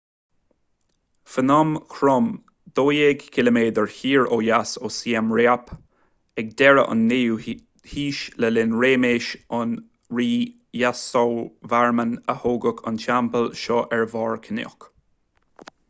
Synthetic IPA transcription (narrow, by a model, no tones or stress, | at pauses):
fənɔmkʰɾɔm | d̪̥oːjeːɡkʰɪləmeːd̪əɹhiːɹoːjasoːsiɛmɹeːap | ɛɡ̚d̪ɛɹə̰ʔʊ̰nːeu | hiːʃləlɪnɹeːmeːʃʊn | ɹiː | jasowvaɹmənəhoːɡəkʰʊ̰nʃampəlʃɔːʔɛɹvɑːɹkʰənɪ̰k